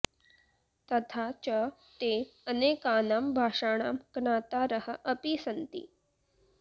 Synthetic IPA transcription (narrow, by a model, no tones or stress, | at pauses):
t̪ɐt̪ʰat͡ɕə | t̪eəneːkaːnaːmbʱaːʂaːɽ̃aːmɡ̥ɳaːt̪aɾəhəʔəpisənt̪ḭː